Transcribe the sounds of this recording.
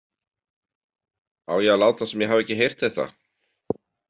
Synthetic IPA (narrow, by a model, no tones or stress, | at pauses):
aːwjɛɣalaːwt̪asɛmjɛɦavɛcɪɦejr̥t̪θɛht̪a̰